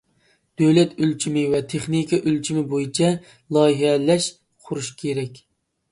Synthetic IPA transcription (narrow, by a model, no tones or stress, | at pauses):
d̪̥øwlɛt̪ylt͡ʃʰimɪwɛt̪ʰeχnikʰɑʔylt͡ʃʰimɪbojit͡ʃʰɛ | lˠɑjɦɛlɛʃ | qʰʊɾuʃkʲʰeɾɛkʲ